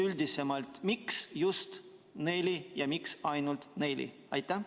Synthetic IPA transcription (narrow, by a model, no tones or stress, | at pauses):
ylʲd̪ise̞mɑlt̪miksjust̪ | nejlijɑmiksɑjnult̪nejlḭ | ɑjt̪ːˑæ